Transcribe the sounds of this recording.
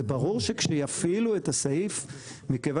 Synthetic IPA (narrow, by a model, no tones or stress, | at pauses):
ebaʁuʁʃe̞kʃejafiluetasaif | mikeva